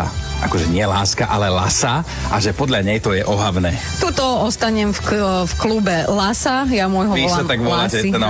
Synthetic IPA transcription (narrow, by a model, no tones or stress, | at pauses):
a̰ʔa̰kɔʒɛɲɪɛlaːskaʔalɛla̰sa | ʔaʒɛpɔd̪ʎaɲɛjt̪ɔjɛʔɔɦaʋnɛː | t̪ut̪ɔɔst̪aɲɛmffklubɛlasajamʊɔjɦɔiɔlʃlaːɛt̪aɡʋɔlaiɛna